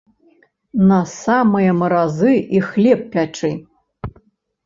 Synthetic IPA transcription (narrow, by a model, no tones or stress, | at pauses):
nɐsamɨjɐmɐɾazɨixlʲɛp̚pːʲaʈ͡ʂɨ